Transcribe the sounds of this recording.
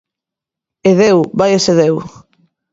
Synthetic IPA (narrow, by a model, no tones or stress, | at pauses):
eðewbajeseðew